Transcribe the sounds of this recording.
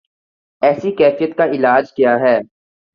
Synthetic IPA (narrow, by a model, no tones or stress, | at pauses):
ɛːsikɛːfijət̪kaɪlaːd͡ʒkjaːɦɛː